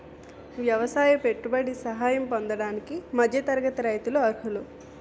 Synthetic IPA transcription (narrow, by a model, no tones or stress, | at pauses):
ʋjɐʋɐsaːjɐpe̞ʈːubɐɽisɐɦaːjɐmpond̪ɐɽaːnikimɐd͡ʒ̪ʱjɐt̪ɐɾɐɡɐt̪ɐɾɐjt̪uluɐɾɦulu